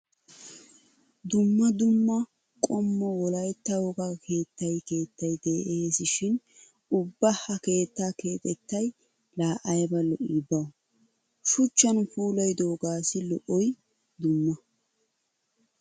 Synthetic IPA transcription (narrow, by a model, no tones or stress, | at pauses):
d̪ʊmːɐd̪ʊmːɐ | kʼɔmːɔwɔlɐjt̪ːɐwɔɡɐkʰe̞ːt̪ːɐjke̞ːt̪ːɐjd̪eːʔeeːsɪʃɪn | ʊbːɐhɐke̞ːt̪ːake̞ːt̪ʼɛt̪ːɐj | laːʔɐjbɐlɔʔibɐw | ʃʊt͡ʃːɐnfuːlɐjd̪oːɡaːsɪlɔʔɔj | d̪ʊmːɐ